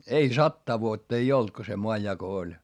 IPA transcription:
ei sɑtːɑː ʋuotːɑ ei olt ko se moɑjːɑko olʲ

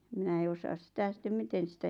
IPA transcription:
minæ ei osɑːs sĭtæ sĭtːem miten̞ sitæ

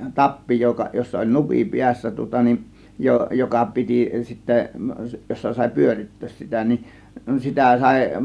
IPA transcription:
tɑpːi jokɑ josːɑ olʲ nupi piæsːæ tŭŏtɑ nin jo jokɑ piti sitːæ josːɑ sɑˑe̝ pyøritːøːs sitæ nin sitæ sɑˑe̝

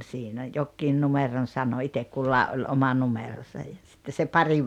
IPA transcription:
sinæ jokːiːn numeron sɑno itek kulːɑˑeʔ ʔolʲ omɑ numerosɑj jɑ sitːe se pɑri

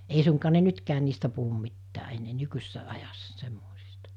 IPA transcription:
ei suŋkɑː ne nytkæːn̆ niːstæ puhum mitːæː enːeː nykysesːæ ɑjɑsːɑ semːoˑisi̥stɑ̥

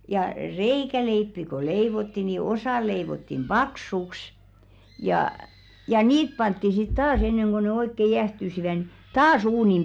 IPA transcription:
jɑ reikæleipːi ko leiʋotːi ni osɑˑ leiʋotːim b̥ɑksuks jɑˑ jɑ niːt pɑntːi sit tɑːs enːeŋ ɡ̊o ne oikːe jæhtysiʋæ ni tɑːs uːnim

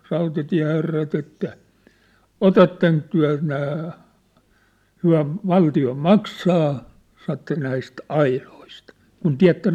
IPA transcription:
rɑutɑtiæ̝herːɑt etːæ otɑtːeŋk tyæ̝ næː hyæ̝ ʋɑltio mɑksɑː sɑn̝̆ etːæ næist ɑiloist kun tiæ̝tːen

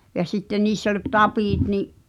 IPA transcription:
jɑ sitːen̆ niːsː olʲ tɑpiˑt niʔ

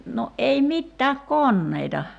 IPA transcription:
no ʔei mitːæːk konːeitɑ

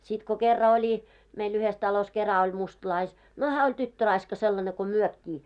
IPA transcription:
sit ko kerːɑ olʲi meil yhes tɑlos kerɑ olʲ mustlɑis no hæː olʲ tytːørɑiskɑ selːɑne ko myøkːiː

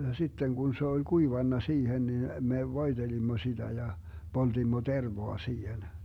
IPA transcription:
sitːeŋ ɡ̊un se olʲ kuiʋɑnːɑ siːhen nin me ʋoid̥elimːo sid̥æ jɑ poltimːo terʋoɑ siːhen

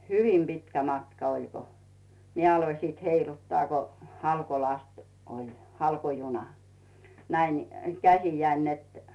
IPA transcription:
hyʋim pitkæ mɑtkɑ olʲ ko mie ɑloĭ siˑt heilutːŏɑˑ ko hɑlkolɑst olʲ hɑlkojunɑ næin nĭ kæsijæin net

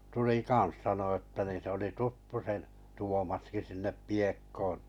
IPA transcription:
tuli kɑn̞s sɑno ətːæ ni se oli tutːu sen tuomɑski sinːe piekːoːn̞

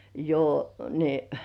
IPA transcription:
jo ni

